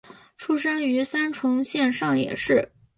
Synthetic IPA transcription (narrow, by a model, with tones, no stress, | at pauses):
ʈ͡ʂʰu˥ʂɤ˥ŋy˧˥sa˥nʈ͡ʂʰʊ˧˥ŋɕjɛ˥˧nʂɑ˥˩ŋjɛ̰˨˩ʂɻ̩˥˩